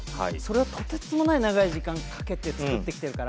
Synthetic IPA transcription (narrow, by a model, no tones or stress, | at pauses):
ha̰iso̞ɾe̞ot̪ʰo̞t̪et͡sɨmo̞nainaɡaiʑikãŋkʰḁke̞t̪e̞t͡sɨ̥kɯ̟t̪ːe̞kʲi̥t̪e̞ɾɯ̟kaɾa